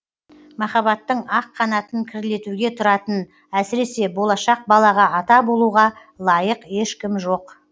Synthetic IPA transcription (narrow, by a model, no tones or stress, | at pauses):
mɑχɑbɑt̪ːəɴɑqʰːɑnɑt̪əŋkʲʰɪɾle̞t̪uɡʲe̞t̪ʰʊɾɑt̪ən | æsɪɾe̞se̞bo̞lˠɑʃɑq̚bɑlˠɑʁɑɑt̪ɑbo̞lˠuʁɑ | lˠɑjəqje̞ʃkʲɪmʒo̞q